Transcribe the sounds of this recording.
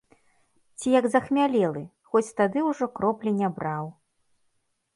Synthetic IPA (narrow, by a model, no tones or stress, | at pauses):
t͡sʲijɐɡzɐxmʲalʲɛlˠɨ | xɔt͡sʲt̪ad̪ɨwʐɔkɾɔplʲinʲabɾaw